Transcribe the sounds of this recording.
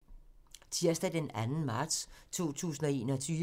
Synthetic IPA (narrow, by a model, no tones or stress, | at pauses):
t͡sʰiɐsd̥æd̥enænn̩mɑ̈ːd̥st͡sʰo̝̰ːt͡sʰṵːsn̩ɒe̝̰ːnɒt͡sʰyː